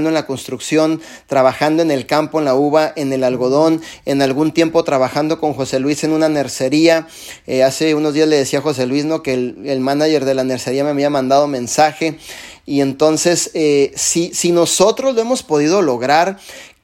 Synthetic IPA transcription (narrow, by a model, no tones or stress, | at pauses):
nd̪oe̞nlako̞nst̪ɾuksjo̞n | t̪ɾaβaxand̪o̞e̞ne̞lkampo̞e̞nlauβaʔe̞ne̞lalɣo̞ð̞o̞ne̞nalɣunt̪je̞mpo̞t̪ɾaβaxand̪o̞ko̞ŋxo̞se̞lwise̞nũnane̞ɾse̞ɾia | ease̞uno̞zðiazle̞ðe̞siaxo̞s̬e̞lwizno̞kelːlmanaʝe̞ɾðe̞lane̞ɾse̞ɾiame̞aβiamãnd̪að̞o̞mẽ̞nsaxe̞ | ie̞nt̪o̞nse̞seːisino̞so̞t̪ɾo̞zloe̞mo̞spo̞ð̞iðo̞lo̞ɣɾaɾ